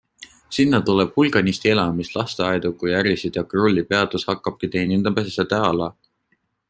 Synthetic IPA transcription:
sinːɑt̪uleb̥hulɡ̥ɑnist̪ielɑmislʔɑst̪eɑjd̪ukujæɾisid̪̥jɑkrulʲːipe̞ɑd̪̥ushɑkːɑb̥̚kit̪e̞ːnind̪ɑmesset̪æɑlɑ

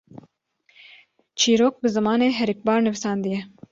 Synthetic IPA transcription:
t͡ʃʰiːɾoːk̚bɨzɨmɑːneːɦɛɾik̚bɑːɾnɨvisɑːnd̪ɨjɛ

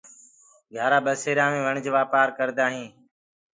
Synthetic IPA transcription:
ɡʱjaːɾaːbəseːɾãːmẽːʋəɳd͡ʒʋaːpaːɾkəɾd̪aːɦĩː

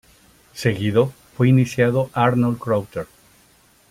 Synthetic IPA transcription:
seɣiðofweinisjaðoʔaɾnolkɾawt̪eɾ

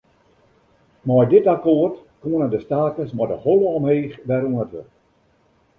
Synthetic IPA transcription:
mɔjdɪtakoərtkoənədəstaːkəsmɔdəholəɔmheːxʋɛɾuənətʋə

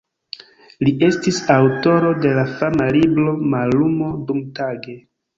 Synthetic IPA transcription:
lie̞stisawto̞ɾo̞de̞lafamaliblo̞malumo̞dumtaɡe̞

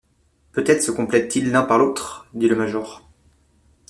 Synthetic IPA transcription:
pøt̪ɛt̪χəsəkɔ̃plɛt̪ːilːɛ̃paʁlot̪χd̪iləmaʒɔːʁ

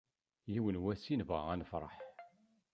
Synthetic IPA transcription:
jiwənwæsinvʁəʁænəfɾˤɑ̰ħ

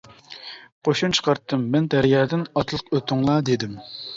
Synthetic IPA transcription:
qʰoʃunt͡ʃʰə̥qɑɾt̪ʰːɨmːɛnd̪æɾjɑːd̪ɪnɑt̪lˠəqøt̪ʰʊŋlˠɑd̪ed̪ɪm

